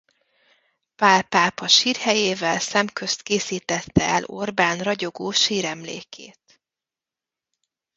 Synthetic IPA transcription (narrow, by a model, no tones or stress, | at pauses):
paːlpaːpɒʃiːrhɛjeːvɛlsɛmkø̞st̪keːsiːt̪ɛt̪ːɛɛlo̞rbaːnrɒɟoɡoːʃiːɾɛmlḛːkʰḛːt̪